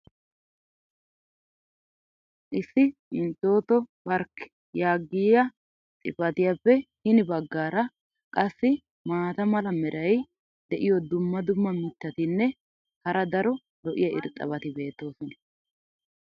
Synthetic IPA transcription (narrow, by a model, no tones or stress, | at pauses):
ʔɪsːɪɪnt̪ːo̞ːt̪ɔbɐɾkː | jaːɡːɪːjɐ | t̪ʼɪfɐt̪ɪjɐpːɛhɪnɪbɐɡːaːɾɐ | kʼɐsːɪ | maːt̪ɐmɐlɐmɛɾɐj | d̪ɛʔɪjɔd̪ʊmːɐd̪ʊmːɐmɪt̪ːɐt̪ɪnːɛ | hɐɾɐd̪ɐɾɔ | lɔʔɪjɐɪ̰ɾt̪ʼːɐ̰βɐt̪ɪbe̞ːt̪ːo̞ːsɔnɐ